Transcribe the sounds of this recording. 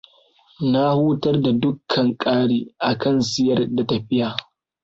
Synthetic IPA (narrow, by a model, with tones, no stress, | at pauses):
na˦huː˦tɐ˦rda˨dʊ˦kʰːɐ˨ŋkʼaː˦ɽiː˦ʔa˨kɐ˦˨nsɪ˦jɐ˦rda˨ta˨ɸɪ˦jaː˨